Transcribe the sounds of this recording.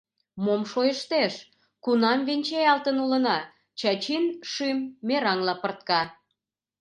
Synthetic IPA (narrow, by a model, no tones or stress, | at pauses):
momʃojəʃt̪eʃ | kunɑmβenʲt͡ɕejɑlt̪ənulə̆nɑ | t͡ɕɑt͡ɕinʃimːeɾɑŋlɑpərt̪̚kɑ